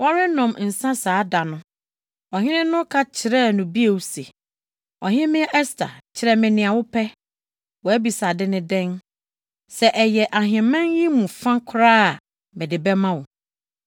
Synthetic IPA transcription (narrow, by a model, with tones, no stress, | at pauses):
wɔ˦ɾɪ˦nɔ̃˨mn̩˨sã˦saː˨˦da˨nʊ̃˦ | ɔ˨ɦɪ̃˦nɪ̃˦nʊ̃˦kʰa˦t͡ɕʰɪ˨ɾɛ˦nʊ̃˨bi˦e˨wu˦se˨ | ɔ˨ɦɪ̃˦mɪ̃˦ɛ˦ʔɛ˦stʰa̰˨t͡ɕʰɪ˨ɾɛ˦mɪ̃˨nɪ̃˨a˨wʊ˦pʰɛ˦ | wɔ˨æ˦bi˨sa˨dɪ˦nɪ̃˦dɛ̃˦n | sɛ˨ʔɛ˨jɛ˨ʔa˨ɦɪ̃˨mɛ̃˦njĩ˦mũ˨fã˦kʰɾaː˦a˨ | mɪ̃˨dɪ˨bɛ˦mã˦wʊ˨